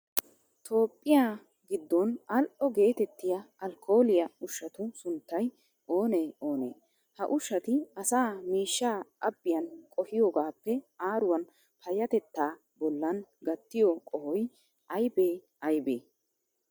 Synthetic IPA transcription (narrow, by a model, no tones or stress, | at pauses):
t̪ʰo̞ːpʼːɪjaː | ɡɪd̪ːɔnɐlʔʔɔɡe̞ːt̪ɛt̪ːɪjɐɐlkʰo̞ːlɪjɐʊʃːɐt̪ʊsʊnt̪ːɐj | ʔoːneːoːnḛː | hɐʔʊʃːɐt̪ɪɐsaːmiːʃːaːʔɐbːɪjɐnkʼɔhɪjoːɡaːpːɛaːɾʊwɐn | pʰɐjɐt̪ɛt̪ːaː | bɔlːɐnɡɐt̪ːɪjɔkʼɔhɔj | ʔɐjbeː | ɐjbeː